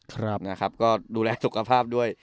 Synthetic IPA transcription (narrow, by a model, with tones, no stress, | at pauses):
kʰɾa˦˥na˦˥kʰa˦˥p̚kɔː˥˩duː˧lɛː˧su˨˩kʰːa˧pʰaː˥˩p̚du˥˩əj